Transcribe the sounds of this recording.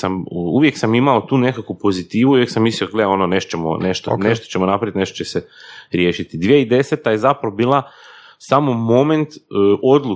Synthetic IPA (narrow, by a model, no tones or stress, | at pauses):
samuʋje̞ksamimao̞t̪uːne̞kakupo̞zit̪iːʋuuʋjeksamːisioɡleo̞none̞ʃt̪o̥t͡ɕemo̰ne̞ʃt̪oneʃt̪ot͡ɕemonapɾaʋit̪ne̞ʃt̪o̥t͡ɕeseɾje̞ːʃit̪id̪ʋijeid̪e̞set̪aje̞zapɾaʋobiːlˠa | samo̞mo̞me̞nt̪ʔo̞d̪lu